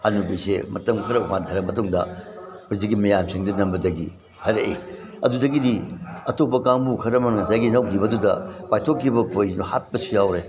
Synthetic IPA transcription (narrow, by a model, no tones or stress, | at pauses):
anubisemɐtɐmkʰɐɾɐmadʱɐɾɐmɐtuŋdɐ̰buziɡimɐjamsiŋdunɐmbɐdɐɡḭ | hʰɐɾeʔi | ɐdudɐɡidiɐtopːɐkaŋbukʰɐɾɐmɐnŋɐsʰajɡinɐwdibɐdudɐ̰pajtʰokʰːibɐkʰojnuhat̚pɐsujawɾe